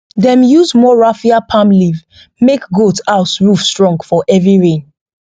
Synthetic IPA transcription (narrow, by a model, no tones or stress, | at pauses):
dɛ̃mjuzmɔɹafiapʰãmliv | mekɡotaʊsɹufstɹɔ̃ŋɡfɔʔɛvɹiɹẽn